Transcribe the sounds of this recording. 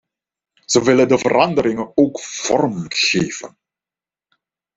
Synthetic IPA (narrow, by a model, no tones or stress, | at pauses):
z̥əʋɪləndəvəɾɑndəɾɪŋənoːkv̥ɔ̰rmɣeːvə̰n